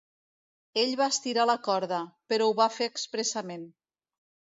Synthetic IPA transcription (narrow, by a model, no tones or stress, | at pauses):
eʎβaəst̪iɾaləkɔɾðəpəɾɔwβafeːkspɾəsəmen